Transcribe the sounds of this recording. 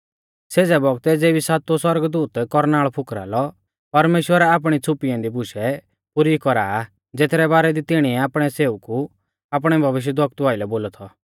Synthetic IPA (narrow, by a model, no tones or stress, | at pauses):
seːd͡zɛbɔɡt̪ɛd͡zeːbisaːt̪oswɔɾɡd̪uːt̪kɔɾnaːɭɔpʰʊkɾa̰ːlɔ | pɐɾmeːʃwəɾɛaːp̬ɽ̃it͡sʰʊpijãd̪ibʊʃɛ | pʊɾikɔɾaː | d͡zeːt̪ɾɛbaːɾɛd̪it̪ɪɽ̃iɛaːpɽ̃ɛseːuku | aːp̬ɽ̃ɛbʱɐʋɪʃ̬jəd̪wɔkt̪aːɪlɛboːlɔt̪ʰɔ